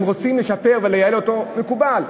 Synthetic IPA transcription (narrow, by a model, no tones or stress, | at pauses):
mʁo̞t͡simleʃape̞ʁvelejaeloto̞mekubal